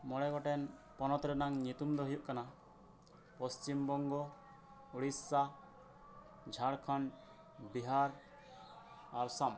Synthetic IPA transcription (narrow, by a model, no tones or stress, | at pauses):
mɔɽɛɡɔʈɛnpɔnɔt̪ɾɛnaŋɲut̪umd̪ɔɦijuʔkana | pɔst͡ʃimbɔŋɡɔ | uɽisːa | d͡ʒʱaɽkʰan | biɦaɾ | aɾsam